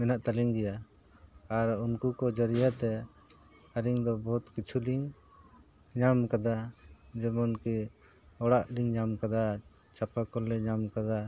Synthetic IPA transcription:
mɛnaʔt̪aliŋd̪ɛjaː | ɾunkukɔd͡ʒəɾijat̪ɛ | aɾiŋd̪ɔbɔɦut̪kit͡ʃʰuliŋ | ɲamkad̪ad͡ʒɛmɔnki | ɔɽaʔliŋɲamkad̪a | t͡ʃapakɔlːɛɲamkad̪a

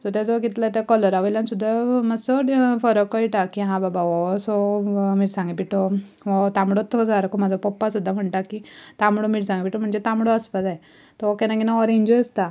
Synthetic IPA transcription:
sɔt̪ɛd͡zɔɡit̪lat̪ɛkɔləɾaʋəjlansud̪ʱːaməsɔʈfɔɾɔkɔjʈakiɦãbabaʋɔsɔmiʈsãŋɡipiʈo | ʋɔt̪ãmɽot̪ʰːɔd͡zaɾkomad͡zʱapɔpːasud̪ʱːam̤əɳʈakit̪amɽomiʈsãŋɡipiʈom̤əɳd͡zet̪ãmɽɔəspad͡zaj | t̪ɔokɛnãkinaɔɾĩɲd͡ʑɔəst̪a

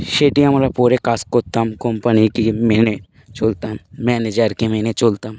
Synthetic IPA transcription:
ʃeːʈiɐmɾapuːɾekaːskot̪ɐmkompənikimeːne | t͡ʃoːlt̪ammɛːned͡ʒəɾkemeːnet͡ʃoːlt̪am

